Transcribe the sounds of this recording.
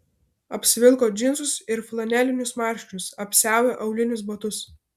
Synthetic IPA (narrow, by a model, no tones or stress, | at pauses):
ɐpʲsʲɪʋʲɪlˠˑkoːd͡ʒʲɪnsʊsɪɾflˠɐnʲɛlʲɪnʲʊsmɑˑɾʲʃʲt͡ʃʲʊsɐpʲsʲæˑʊjʲeʔɐʊlʲɪnʲʊsbɐt̪ʊs